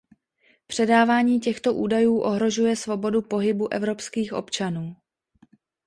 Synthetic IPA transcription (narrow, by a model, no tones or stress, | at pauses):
pr̥ɛdaːvaːɲiːcɛxt̪o̞ʔuːdajuːʔoɦɾo̞ʒujɛsvo̞bo̞dupo̞ɦɪbuʔɛvɾo̞pskiːxʔo̞̰pt͡ʃanuː